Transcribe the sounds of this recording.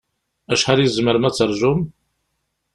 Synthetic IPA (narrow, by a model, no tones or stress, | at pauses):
æʃħaɾjəzməɾmæt͡sːəɾˤʒʊm